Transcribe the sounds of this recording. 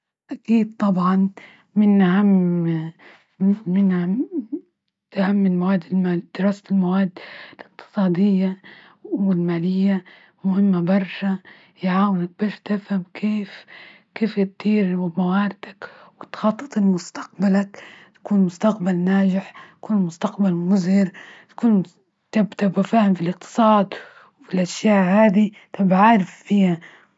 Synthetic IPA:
ʔakiːd̪̚t̪ˤɑbʕɑn | mɪnʔahamː | ɪnʔa | ahamːɪlmawaːd̪ːɪlmaːld̪̥ɪɾɑːsɪlmawaːd̪ːɪlɪqt̪ɨ̥sˤɑːd̪ɪjːa | wɪlmaːlɪjːa | mʊhɪmːabɑrˤʃa | jʕaːwɪnak̚bɪft̪afhamkʰeːf | keːfjt̪iːɾmawaːɾd̪̥akwɪt̪xɑt̪ˤːɨ̥t̪ˤɪlmʊst̪ḁq̚balakt̪ḁkuːnmʊst̪aqbalnaːd͡ʒɪħt̪ḁkuːnmʊst̪aqbalmʊzɪɾt̪ḁkuːn | t̪abt̪abafaːhɪmfilɪq̚t̪ɨ̥sˤɑːd̪ | wfilʔaʃjaːʔhaːd̪i | t̪abʕaːɾɪfːiːha

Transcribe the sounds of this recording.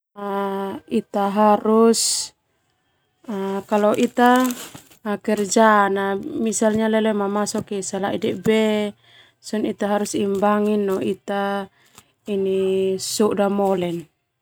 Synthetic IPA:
ait̪aɦaɾus | akalɔʔit̪aː | kɛrd͡ʒanamisalɲalɛlɛmamasɔkisalaʔidɛʔbɛ | sɔnit̪aɦaɾusimbaŋinːɔit̪a | inisuʔdamɔlɛn

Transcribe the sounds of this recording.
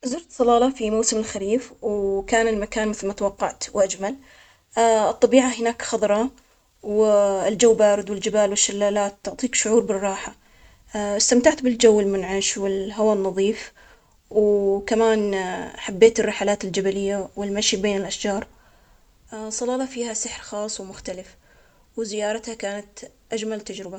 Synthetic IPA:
zʊɾt̪sˤɑlɑːlɑfimawsɪmɪlxaɾiːfwkaːnɪlmakaːnmɪθlmat̪awɑqːɑʕt̪wʔad͡ʒmal | ɨt̪ˤːɑbiːʕaɦɪnaːkxɑðˤɾˤɑ | wɪld͡ʒawːbaːɾɪd̪wɪld͡ʒɪbaːlwɪʃːalːaːlaːt̪ːʊʕt̪ˤiːkʃʊʕuːɾbɪrˤːɑːħa | ɪst̪amt̪aʕt̪bɪld͡ʒawːɪlmʊnʕaʃwɪlɦawaːnːɑðˤiːf | wkamaːnħabːeːt̪ɪrːɪħalaːt̪ɪld͡ʒabalɪjːawɪlmaʃibeːnɪlʔaʃd͡ʒɑːɾˤ | sˤɑlɑːlɑfiːhasɪħɾxɑːsˤwmʊxt̪alɪf | wzɪjɑːɾˤɑt̪hakaːnat̪ʔad͡ʒmalt̪ad͡ʒɾɪba

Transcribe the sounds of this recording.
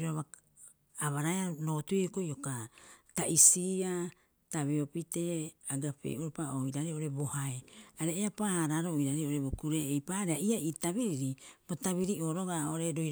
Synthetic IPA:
ɾoaβa | aβaɾaeano̞ːtueoko̞jo̞kataʔisia | taβeo̞pite̞aɡapḛʔuɾopaoiɾaɾeo̞ɾe̞bo̞haeaɾeːapaaɾaɾo̞iɾaɾeo̞ɾebokuɾe̞ːjpaɾeaiaitaβiɾiɾibotaβiɾiʔo̞ːɾo̞ɡaoɾe̞ɾoj

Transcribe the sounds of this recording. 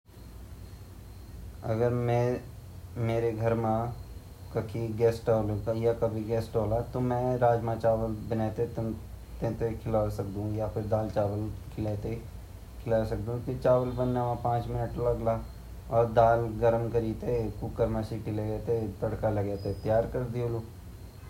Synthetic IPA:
ɐ̰ɡəɾmɛ̃ | meːɾeɡʱɐɾmã | kɐkʰiɡɛːsʈoːlõkajakɐbʱiɡɛːsʈoːlat̪omɛ̃ɾaːd͡ʒmãt͡ʃaːʋəlbənɛːt̪et̪ | t̪ẽt̪ekʰɪlaːsɐk̚d̪ũjapɪɾd̪aːlt͡ʃaːʋəlkʰɪleːt̪e | kʰɪlaːsɐk̚d̪ũk̪ɪt͡ʃaːʋəlbənːamãpãːt͡ʃmɪnəʈlɐɡla | ɔːɾd̪aːlɡɐɾəmkɐɾiːt̪ekukːəɾmãʃiʈileɡɛːt̪et̪ɐɽkalɐɡɛːt̪et̪jaːɾkɐɾd̪ioloː

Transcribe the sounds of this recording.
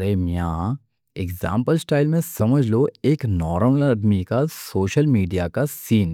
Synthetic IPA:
ɾemijã | ekzã̰ːmpəlsʈaːɪlmẽsɐməd͡ʒʱloeːknɔːɾlɐɖmikasoːʃəlmiːɖijakasiːn

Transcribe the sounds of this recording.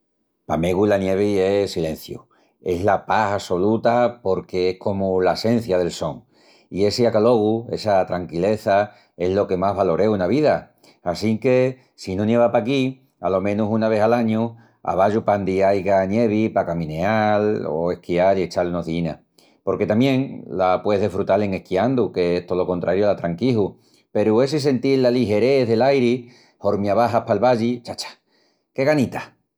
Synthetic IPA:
pame̞ɣulanje̞β̞iesilẽ̞n̟θju | e̞ɦlapahaso̞lut̪apo̞ɾke̞ehko̞mulaese̞n̟θjað̞e̞lso̞ŋ | ie̞seakalo̞ɣue̞sat̪ɾaŋkile̞θa | e̞ɦlo̞ke̞maɦβalo̞ɾe̞unaβiðaː | siŋke̞ | sinõnje̞βapaki | a̰lo̞mẽ̞nusunaβ̞e̞halaɲu | a̰β̞aʝupand̪iajɣanje̞β̞ipakamĩne̞alo̰ehkialie̞t͡ʃalunoɦðina̰ | po̞ɾke̞t̪amjẽ̞ŋlapweeðefɾut̪ale̞ŋehkiand̪uke̞eht̪olo̞ko̞nt̪ɾʔaɾjulat̪ɾaŋkiɦu | pe̞ɾuesis̬e̞nt̪ilːaliɦe̞ɾe̞ðe̞lajɾi | ho̞ɾmjaβaɦahpalβaʎit͡ʃat͡ʃḁ | ke̞ɣanit̪ḁ

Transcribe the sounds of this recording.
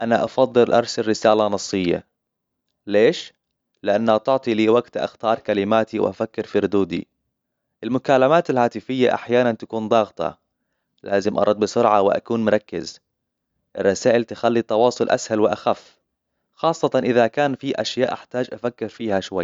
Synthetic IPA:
ʔanaʔɑfɑðˤːɨlʔɑ̰ɾˤsalːɪsaːlanɑsˤːɨjːa̰ | leːʃ | lɪʔanːhat̪ʊʕt̪ˤiliːwaɡt̪ʔa̰xt̪ɑːɾˤkalɪmaːt̪iw̰ʔa̰fakːɪɾfiɾʊd̪uːd̪ḭ | ʔɪlmʊkaːlamaːt̪ɪlhaːt̪ɪfɪjːaʔa̰ħjaːnant̪akuːnd̪ˤɑːɣt̪ɑ̰ | laːzɪmʔɑ̰ɾˤɑd̪̚ˤbɪsʊɾʕɑwɪ̰ʔa̰kuːnmʊɾˤɑkːɪ̰z | ʔɪrˤːɑsaːʔɪlt̪ɪxalːit̪ˤɑwɑːsˤʊlʔa̰shalwɪʔaxafː | xɑːsˤːɑt̪ɑnʔɪðakaːnfiʔaʃjaːʔaħt̪aːd͡ʒʔafakːɪɾfiːhaʃwa̰jː

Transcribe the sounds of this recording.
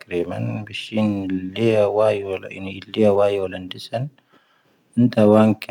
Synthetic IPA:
kɾeːmɐ̰nbɪʃiːnlːeɐwajolɪ̰nɪlːeɐwaːjoːlɐnd̪ɪsɐn | ɪnt̪ɐwaːŋkʰ

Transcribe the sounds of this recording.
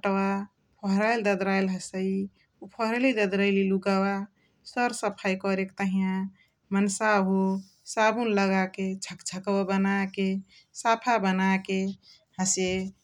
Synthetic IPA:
ʈwa | pʰəɦɾajld̪əd̪ɾajlɦəsəi | upʰəɦɾelid̪əd̪ɾəjliluɡawa | səɾsəpʰajkɔɾekt̪əɦijã | mənsaɦu | sabunləɡaket͡ʃʰəkt͡ʃʰəkəwabənake | sapʰabənake | həse

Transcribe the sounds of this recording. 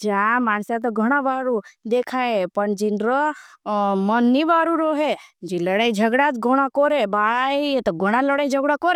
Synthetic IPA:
d͡ʒamansat̪̬ɔɡʱəɽ̃aʋaːɾud̪ekʰaepəɳd͡ʒinɾə | mənːiʋaːɾuɾoɦed͡ʒiləɽẽid͡ʒʱəɡɽat͡s̪ɡʱoɽ̃akɔɾebaɭaiet̪ɔɡʱoɽ̃aləɽãid͡ʒʱəɡɽakɔɾ

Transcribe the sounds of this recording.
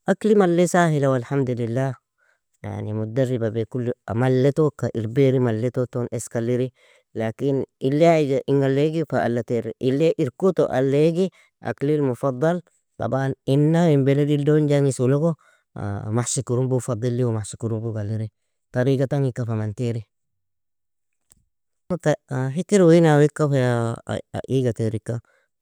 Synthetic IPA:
ʔaklimalːesahilawalħamd̪ulilːa | ja̰ʕnimud̪arːibabekulːa̰malːetokaʔiɾbeɾimalːetotonʔeskaliɾi | lakinilːaidaʔiŋɡalːeɡifaʔalːateɾʔilːeʔiɾkuto̰ʔa̰lːeɡi | ʔa̰klilmufɑd̪ˤːɑl | t̪ɑ̰baninːaimbeledildond͡ʒaŋisuloko̰ | maħsikuɾumbufad̪ˤilːiwmasikuɾumbukaliɾi | taɾikataŋikːafamanteɾi | taɦitiɾwinawikːafeaa̰ʔiɡateɾikːa

